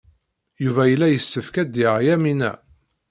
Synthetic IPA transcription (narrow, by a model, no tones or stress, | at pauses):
juvæjəlːæjəsːəfkæd̪iʁjæminæ̰